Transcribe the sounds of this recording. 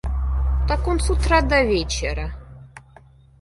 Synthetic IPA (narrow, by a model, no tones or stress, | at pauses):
t̪akonsut̪ɾad̪ɐvʲet͡ɕɪɾə